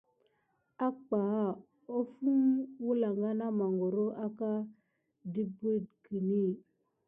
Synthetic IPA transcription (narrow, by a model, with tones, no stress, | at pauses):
a˦k͡pa˨˦ | o˦fu˦mwu˦la˨ŋɡa˦na˦ma˨ŋɡo˨ɾo˦ʔa˦ka˦ | di˦bu˦d̚ki˨ni˦˨